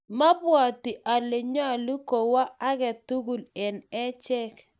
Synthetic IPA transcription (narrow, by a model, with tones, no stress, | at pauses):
ma˦bwa˨ti˨ʔa˨le˨ɲ˦a˨lu˦ko˨wa˦a˦ɣɛ˨tu˦ɡu˨lɛ˨nɛ˦t͡ʃɛ˦k